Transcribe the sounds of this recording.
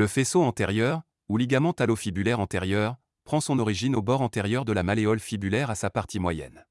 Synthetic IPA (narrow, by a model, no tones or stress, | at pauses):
ləfesoɑ̃t̪ɛʁjœʁ | uliɡamɑ̃t̪alofibylɛʁɑ̃t̪ɛʁjœʁ | pχɑ̃sɔ̃nɔʁiʒinobɔʁɑ̃t̪ɛʁjœʁd̪əlamaleɔlfibylɛʁasapaʁt̪ʰimwajɛ̰n